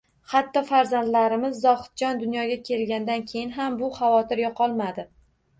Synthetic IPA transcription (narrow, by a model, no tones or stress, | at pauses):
hat̪ːɒfaɾzand̪laɾɪmɪzːɒhɨ̥t̪̚d͡ʒɒnd̪ʊnjɒɡʲakʲʰe̞lɡʲand̪ankʲʰe̞jɪnɦambʊχavɒt̪ʰɪɾjɒqʰɒlˠmad̪ɪ